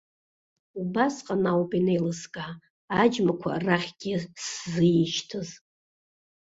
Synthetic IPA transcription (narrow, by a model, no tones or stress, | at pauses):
ubasqʼanawpʼinejlɨskʼaː | d͡ʒmakʷʰa̰raχʲɡʲɪszɨjiʃtʰɨz